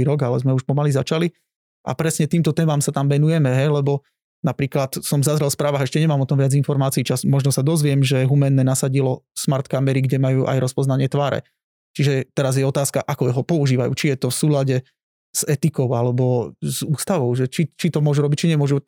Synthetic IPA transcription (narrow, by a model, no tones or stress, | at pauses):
iɾɔɡalɛzmɛuʃpɔmalizat͡ʃali | ʔa̰pɾɛsɲɛt̪iːmt̪ɔt̪ɛːmamsat̪amʋɛnujɛmɛɦɛjlɛbɔ | napɾiːklat̪sɔmzazɾɛlfspɾaːʋaːɣɛʃcɛɲɛmaːmɔt̪ɔmʋɪad͡zinfɔɾmaːt͡siːt͡ʃasmɔʒnɔsad̪ɔzʋɪɛmʒɛɦumɛnːɛnasaɟilɔsmaɾt̪kamɛɾiɡɟɛmajuːʔa̰jɾɔspɔznaɲɪɛt̪ʋaːɾɛ̰ | t͡ʃiʒɛt̪ɛɾazjɛɔt̪aːskaʔakɔjɦɔpɔuʒiːʋajṵːt͡ʃijɛt̪ɔfsuːlaɟɛ | z̥ɛt̪ikɔʊalɛbɔz̥uːst̪aʋɔʊʒɛt͡ʃit͡ʃit̪ɔmʊɔʒuɾɔbict͡ʃiɲɛmʊɔʒu